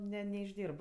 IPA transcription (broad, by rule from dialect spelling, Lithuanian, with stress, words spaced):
ˈnʲɛ nʲɛɪʒʲˈdʲiːrp